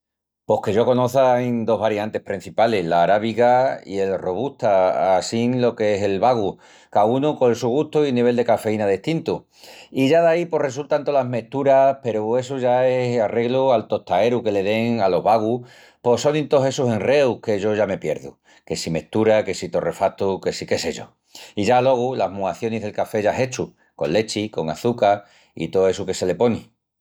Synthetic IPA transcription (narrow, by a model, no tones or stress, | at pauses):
po̞hke̞ʝo̞ko̞no̞θajnd̪o̞ɦβaɾiant̪e̞hpɾin̟θipale̞ɦlaːɾaβiɣaḭe̞lro̞β̞uht̪aasiŋlo̞keese̞lβaɣu | kaunukoelsuɣuht̪oilniβ̞e̞ld̪e̞kafe̞inaðeht̪int̪u | iʝaðaipo̞re̞sult̪ant̪o̞laɦme̞ht̪uɾape̞ɾue̞suʝaesare̞ɣlualt̪o̞t̪ae̞ɾuke̞le̞ðe̞ŋalo̞βaɣu | po̞so̞nĩnt̪o̞ɦe̞suse̞nre̞uke̞ʝo̞ʝame̞pje̞̰ɾðṵ | ke̞sime̞ht̪uɾake̞sit̪o̞re̞fat̪ukesike̞se̞ʝo̞̰ | iʝalo̞ɣ̞ulaɦmuaθjo̞niɦðe̞lkafe̞ʝaɦe̞t͡ʃu | ko̞̰lːe̞t͡ʃiko̞ŋa̰θuka | ḭt̪oe̞suke̞se̞le̞po̞ni